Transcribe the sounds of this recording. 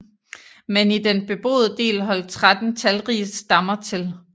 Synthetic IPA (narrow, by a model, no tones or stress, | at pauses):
menid̥enb̥e̝b̥o̝̰ːð̞ˠəd̥e̝̰ːlɦɒ̽l̰d̥̚t͡sʰʁad̥n̩t͡sʰælʁiːssd̥ɑ̈mɐt͡sʰe̝l